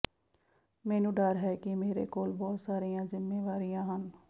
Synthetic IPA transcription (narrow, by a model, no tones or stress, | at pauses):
mɛːnũːɖəːɾɦɛːkɪmeːɾḛːkoːlbɔːt̪saːɾijãːzɪmːeːʋaːɾijãːɦən